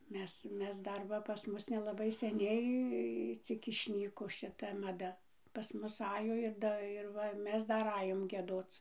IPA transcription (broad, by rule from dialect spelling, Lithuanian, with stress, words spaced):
ˈmʲɛs ˈmʲɛs ˈdɐr ˈʋɐ pɐs ˈmʊs nʲɛlˠɐˈbɐɪ sʲɛˈnʲɛɪ ˈt͡sʲɪk ɪʃʲˈnʲiːkoː ʃʲɪˈtɐ mɐˈdɐ pɐs ˈmʊs ˈɑːjoː ɪr ˈdɐ ɪr ˈʋɐ ˈmʲɛs ˈdɐr ˈɑːjoːm ɡʲiɛˈdoːt͡s